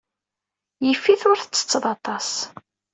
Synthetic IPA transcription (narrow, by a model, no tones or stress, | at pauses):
jəfːiθʊɾθət͡sːə̥t͡sːəðˤɑt̪ˤɑs